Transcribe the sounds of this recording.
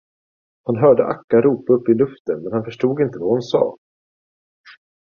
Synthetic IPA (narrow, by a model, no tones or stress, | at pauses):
hʊnɦœːɖəʔakːaɾuːpaɵpːɪlɵft̪ənmɛnhanfœʂʈuːɡɪnt̪əvahʊnsɑ̰ː